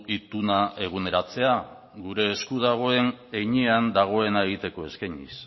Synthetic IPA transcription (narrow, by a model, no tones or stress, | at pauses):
it̪unaʔe̞ɣ̞une̞ɾat͡se̞a | ɡuɾe̞ːskuð̞aɣ̞o̞e̞neɲeand̪aɣ̞o̞e̞nae̞ɣ̞it̪e̞ko̞e̞skajɲḭs